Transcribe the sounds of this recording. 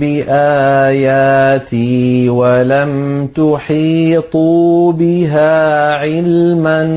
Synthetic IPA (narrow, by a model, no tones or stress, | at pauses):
bɪʔaːjaːt̪iwalamt̪ʊħiːt̪ˤubɪɦaːʕɪlman